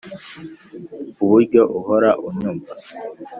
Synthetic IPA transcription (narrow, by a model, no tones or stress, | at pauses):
uβuɾɟoʔuhoɾaʔuɲuːmba